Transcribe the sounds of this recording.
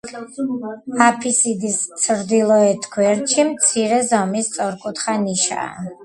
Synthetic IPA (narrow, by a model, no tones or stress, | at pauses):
apʰisid̪istt̪sʰɾd̪ilˠɔɛt̪ʰɡʰwɛɾt͡ʃʰimt̪sʰiɾɛzɔmist̪sʼɔɾkʼut̪ʰχaniʃa̰ː